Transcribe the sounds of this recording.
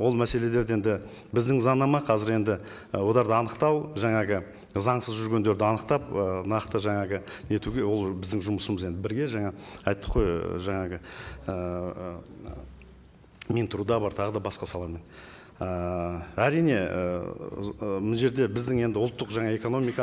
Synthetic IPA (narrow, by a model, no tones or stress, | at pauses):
wo̞lˠmæse̞le̞le̞ɾd̪e̞nd̪ɪ | bɪzd̪ɪŋzɑnːɑmɑqʰɑzɪɾe̞nd̪ɪ | wo̞d̪ɑɾd̪əɑnəqt̪ɑwʒɑɴɑʁə | zɑɴsəzʒʏɾɡʲe̞nd̪e̞ɾd̪ɪɑnəqt̪ɑp̚ənɑqt̪əʒɑɴɑʁəne̞t̪uɡʲewo̞lˠbɪzd̪ɪŋʒʊməsəməze̞nd̪ɪbɪɾɡʲe̞ʒɑɴɑɑjt̪ːə̥qʰo̞jʒɑɴɑʁəə | mint̪ʊɾud̪ɑbɑɾt̪ʰɑʁəd̪ɑbɑsqɑsɑlˠɑɾmen | əæɾijne̞ə | ʒe̞ɾd̪e̞bɪzd̪ɪŋe̞nd̪ɪʊlˠt̪ːəqʒɑɴɑe̞ko̞no̞mijkɑ